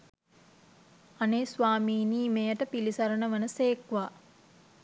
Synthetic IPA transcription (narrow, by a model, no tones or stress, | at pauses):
aneːsʋaːmiːniːmejəʈəpilisaɾənəʋənəseːkʋa